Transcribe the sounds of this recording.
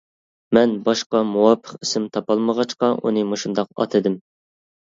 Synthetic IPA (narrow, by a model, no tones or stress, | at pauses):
mɛnbɑʃqɑmuwɑpʰə̥qisɪmt̪ʰɑpɑlˠməʁɑt͡ʃqɑʔṵnɨmoʃund̪ɑq̚ɑ̰t̪ʰɨd̪ɪm